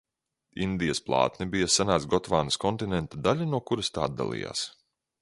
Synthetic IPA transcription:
ind̪ijɐsplˠɑ̰ːt̪nibijasanaːt̪sɡɔt̪vaːnɐskɔnt̪inɛnt̪ad̪aʎʲanuɔkuɾɐst̪aːd̪ːa̰lˠḭja̰ːs

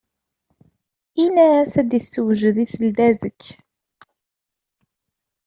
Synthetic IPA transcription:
ʔinæθæd̪jəst̪ːəwʒəðisəld̪æzəkː

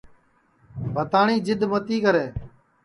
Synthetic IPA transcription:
bʱət̪aːɳiːd͡ʒɪd̪mət̪iːkəɾeː

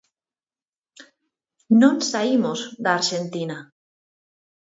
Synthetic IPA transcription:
nõnsaimozðaːɾʃent̪ina

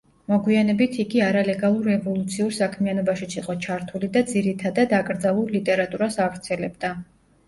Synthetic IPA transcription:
mɔɡwianɛbit̪ʰiɡiaɾalɛɡalˠuɾːɛvɔlˠut̪sʰiuɾsakʰmianɔbaʃit̪sʰiqʼɔt͡ʃʰaɾt̪ʰulid̪ad̪ziɾit̪ʰad̪ad̪akʼɾd̪zalˠuɾlit̪ʼɛɾat̪ʼuɾasavɾt̪sʰɛlɛbd̪a

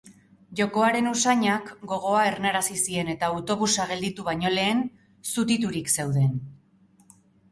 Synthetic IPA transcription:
ʝo̞ko̞aɾe̞nusaɲakɡo̞ɣ̞o̞ae̞rnaɾasisie̞ne̞t̪aut̪o̞βusaɣ̞e̞ld̪it̪uβaɲo̞le̞ːn | sut̪it̪uɾikse̞wðe̞n

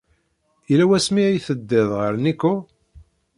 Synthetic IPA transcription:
ilæwæsmiijθəd̪ːɪðˤʁəɾnikːu

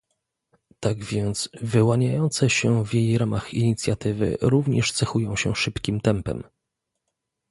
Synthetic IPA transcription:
t̪aɡvʲjɛnt̪svɘwaɲajɔnt̪sɛɕɛvjejɾamaxiɲit̪sʲjat̪ɘvɘ̰ɾuvɲɛʂt̪sɛxujɔ̃w̃ɕɛ̰ʂɘpkʲimt̪ɛmpɛ̰m

